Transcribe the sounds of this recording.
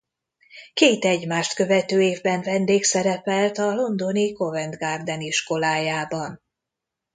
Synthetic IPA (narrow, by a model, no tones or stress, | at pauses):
keːt̪ɛɟmaːʃt̪kø̞vɛt̪øːeːvbɛɱvɛnd̪eːksɛɾɛpɛlt̪ɒlo̞nd̪o̞niko̞vɛnd̪ɡard̪ɛniʃko̞laːjaːbɒn